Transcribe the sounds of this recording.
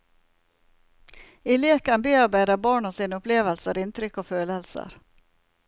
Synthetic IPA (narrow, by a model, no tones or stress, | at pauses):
ɪleːkɑnbeːɑɾbæːɾɑbɑːɳɔːsiːnʊpleːʋəlsəɾɪnt̪ɾʏkoːføːləlsə̰ɾ